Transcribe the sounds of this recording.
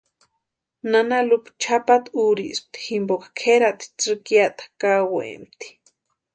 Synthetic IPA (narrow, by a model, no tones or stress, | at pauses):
nanalupt͡ʃʰapat̪uɾḭsp̚t̪i̥ximbokḁkʰeɾat̪i̥t͡sɨkjat̪ḁkawḛmt̪i̥